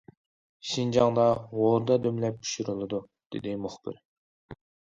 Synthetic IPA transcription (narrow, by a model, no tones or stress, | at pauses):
ʃind͡ʒɑŋd̪ɑʁoɾd̪ɑd̪ømlɛp̚pʰu̥ʃuɾɨlˠɨd̪u | d̪̥ɪ̰d̪ɪmuχb̥ɪ̰ɾ